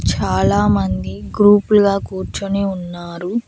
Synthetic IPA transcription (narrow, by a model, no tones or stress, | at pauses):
t͡ʃaːlaːmɐnd̪iɡɾuːpuluɡaːkuːɾt͡ʃuniunːaːɾu